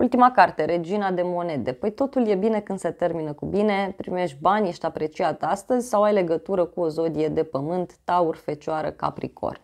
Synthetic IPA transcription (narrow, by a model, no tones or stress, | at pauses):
ṵlt̪imakart̪e̞ɾe̞d͡ʒinad̪e̞mo̞ne̞d̪e̞pəjt̪o̞t̪ulje̞bine̞kɨnd̪̥se̞t̪e̞rminəkubine̞pɾime̞ʃt̪̚ʲbanʲjeʃt̪ʲapɾe̞t͡ʃiat̪ʲast̪əzʲsawajle̞ɡət̪uɾəkuozo̞d̪ije̞d̪e̞pəmɨnt̪ːaurfe̞t͡ʃoaɾə̰ka̰pɾḭkʰo̞̰r